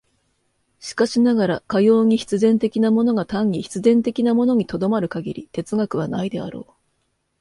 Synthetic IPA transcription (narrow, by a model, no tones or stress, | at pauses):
ɕi̥kaɕinaɡaɾakajo̞ːɲ̟içi̥t͡sɨzẽ̞nt̪e̞kʲinamo̞no̞ɡat̪ãɲːʲiçi̥t͡sɨzẽ̞nt̪e̞kʲinamo̞no̞ɲ̟it̪o̞d̪o̞maɾɯ̟kaɡʲiɾʲit̪e̞t͡sɨɡakɯ̟β̞anaid̪e̞a̰ɾo̞̰ː